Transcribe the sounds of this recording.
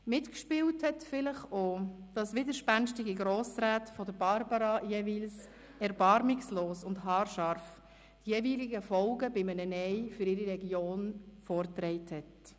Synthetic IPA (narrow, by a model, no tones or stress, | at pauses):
mɪtkʃpɪːwthɛtfɪləχod̥ɑsʋɪdəɾʃpænʃtɪɡiɡɾoːsɾaːtfɔdəɾbɑɾbɑɾɑjeviːls | ɛɾbɑɾmɪksloːsʊndɦɑːrʃɑɾf | tjeːviːliɡəfɔlɡəbɪmənənɛɪfʏɾɪɾiɾɛɡjoːnfɔːɾtɾɛɪthɛt